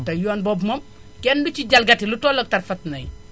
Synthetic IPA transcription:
tɐjɔːnbɔbmɐm | kɛndut͡ʃiɟɐlɡɐtilutɔːlɐk̚tɐrfɐtnɐj

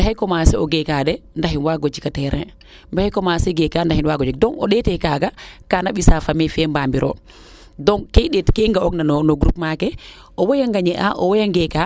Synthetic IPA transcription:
bɛɦajkɔmasɛɔɡɛkadɛndaɦinwaɡod͡ʒikatɛɾɛ̰ | mbɛhajkɔmasɛɡɛkandahinwaɡod͡ʒikdɔŋɔ̰ɗɛtɛkaɡakanaɓisafamɛfɛmbambiɾʔɔ̰ | dɔŋkejɗɛtkeŋɡaɔknanɔnɔɡɾup̚makɛ | ɔwɔjaŋɡaɲɛʔa̰ʔɔwɔjaŋɡɛka

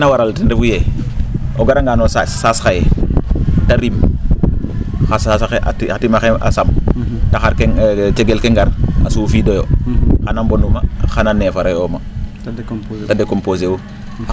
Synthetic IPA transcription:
nawaɾaltindifuje | oɡaɾaŋɡanosssasxaje | taɾim | xasasxeʔa̰tiatimaxea̰samtaxaɾkeŋt͡ʃeɡelkeŋɡaɾasufidojoxanambonumaxananeːfaɾajoma | tadekompos̬ewo

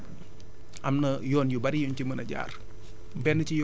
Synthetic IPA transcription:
ʔɐmnɐjɔːnjubɐɾijuncimənɐɟa̰ːr | bɛnːɐcij

